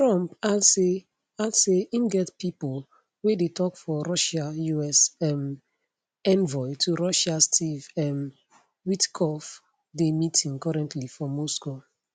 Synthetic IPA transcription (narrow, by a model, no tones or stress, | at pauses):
tɹɔ̃mpadse | adseĩmɡɛtpipol | wedetʰɔkfɔɹɔʃajuɛsɛm | ɛ̃nvɔɪtʰuɹɔʃastʰivɛm | witkʰɔf | demitĩŋkɔɹɛ̃ntʰlifɔ̃mɔsko